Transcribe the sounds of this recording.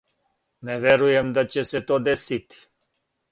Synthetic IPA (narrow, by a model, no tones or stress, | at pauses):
nɛʋeɾujemd̪at͡ɕeset̪oːd̪esit̪i̥